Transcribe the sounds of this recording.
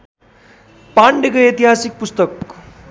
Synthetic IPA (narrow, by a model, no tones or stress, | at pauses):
paɳɖekəet̪iɦasik̚pust̪ʌk̚